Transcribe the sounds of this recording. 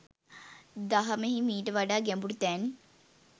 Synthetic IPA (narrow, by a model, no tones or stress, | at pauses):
d̪ɐɦɐmeɦimiːʈʋaɖaːɡembuɽt̪ɛːn